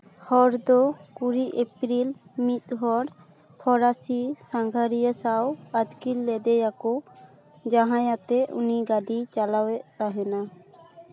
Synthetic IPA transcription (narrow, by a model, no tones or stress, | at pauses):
hɔɾd̪ɔkuɾiʔepɾilmit̪̚ɦɔɾ | pʰɔɾasisãŋɡʱaɾijəsawad̪kilːɛd̪ɛjakɔ | d͡ʒaɦãjat̪ɛʔṵniɡaɖit͡ʃalawɛʔt̪aɦɛna